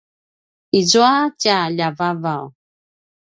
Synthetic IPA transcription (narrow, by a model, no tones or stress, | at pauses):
izuacaʎavavaw